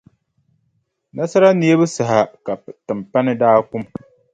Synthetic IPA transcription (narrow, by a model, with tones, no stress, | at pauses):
na˦sa˦ɾa˦ni˦e˦bɨ˦sa˨ɦa˨ka˨tɨ˨mpa˦nɨ˦daː˦kʊ˦m